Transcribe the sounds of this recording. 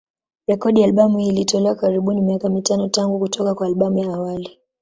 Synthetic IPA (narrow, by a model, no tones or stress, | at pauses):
ɾɛkɔɗijalɓamuilitɔlɛwakaɾiɓunimiakamitanɔtaŋɡukutɔkakwaːlɓamujaːwali